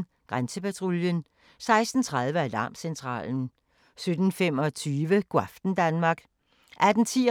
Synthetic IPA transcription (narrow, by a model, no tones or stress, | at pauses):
ɡ̥ʁansəpæt͡sʰʁoljən | sɑ̈ɪsd̥n̩t͡sʰʁɑð̞ˠʋəæd̥ɑ̈ːmsent͡sʰʁɑ̰̈ːln̩ | sød̥n̩fem̰ɒ̽t͡sʰyːʋəɡ̥wɑfd̥n̩d̥ænmɑ̈ːɡ̥ | ʔæd̥n̩t͡sʰiː